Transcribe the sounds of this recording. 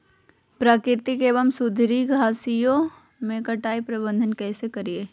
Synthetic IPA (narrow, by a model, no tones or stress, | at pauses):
pɾaːkɪɾt̪ikeːʋəmsʊd̪ʱɾiɡʱaːsijo | mẽkɐʈaːipɾɐbə̃nd̪ʱənkɛːsekɐɾieː